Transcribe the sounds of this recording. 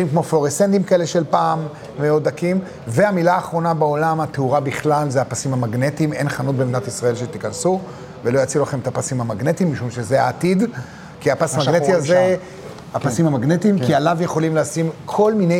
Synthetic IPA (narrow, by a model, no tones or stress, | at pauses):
imkmo̞flo̞ʁesent̪imkae̞le̞ʃe̞lpaːm | meo̞d̪̚akim | ve̞amilaːχʁo̞nabeo̞lamat̪euʁabiχlalzeapasimamaɡne̞timḛnχanut̚bemidat̪isʁae̞lʃet̪ikansu | velo̞jat͡siulaχe̞met̪apasimhamaɡne̞timːiʃumʃezea̰ːtid | kiapasmaɡnet̪iaze | hapasimamaɡne̞timkialavjeχo̞limleasimkʰo̞lmine